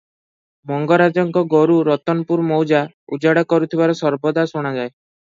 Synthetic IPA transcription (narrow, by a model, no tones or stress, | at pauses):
mɔŋɡɔɾad͡ʒɔŋkɔɡɔɾuɾɔt̪ɔnpuɾmɔwd͡ʒa | ud͡ʒaɽɔkɔɾut̪ʰibaɾɔsɔɾbɔd̪asoɽ̃ad͡ʒae